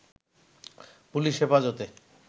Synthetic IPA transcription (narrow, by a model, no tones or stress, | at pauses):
puliʃefad͡ʑot̪e